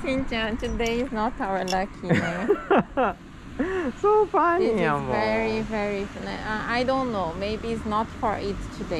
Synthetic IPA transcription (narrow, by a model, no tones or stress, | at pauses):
sĩnd͡ʒãntɨdeɪznɔtaʊə˞lʌkʰinẽ | sofãnãmvɛɹivɛɹifənɛaaɪdõnːoʊmeɪbiːtsnɔtfɔɹɪttʰude